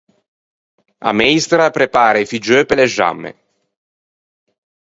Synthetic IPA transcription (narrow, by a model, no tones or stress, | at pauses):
a̰mɛjst̪ɾapɾepaːɾaifid͡ʒøpeleʒa̰mːḛ